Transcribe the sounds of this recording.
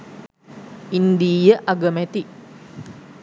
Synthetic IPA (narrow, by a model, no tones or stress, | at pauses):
ind̪iːjəʔaɡəmæt̪i